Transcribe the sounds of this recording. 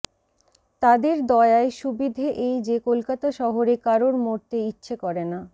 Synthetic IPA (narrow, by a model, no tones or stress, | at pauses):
t̪ad̪eɾd̪ɔeaeʃubid̪ʱeʔejd͡ʑekolkat̪aʃɔɦoɾekaɾoɾmoɾt̪eitːɕʰekɔɾena